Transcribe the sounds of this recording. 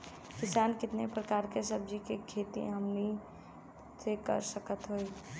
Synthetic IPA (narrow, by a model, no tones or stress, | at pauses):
kɪsaːnkɪt̪nepɾəkaːɾkesəb̚d͡ʒikekʰeːt̪ḭ̃ɦɐmni | sekə̰ɾsəkət̪ɦoi